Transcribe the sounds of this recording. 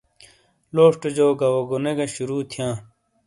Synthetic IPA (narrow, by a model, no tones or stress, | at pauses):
loːʂʈd͡ʑoːɡɐwoɡoneɡɐɕuɾuːt̪ʰjãː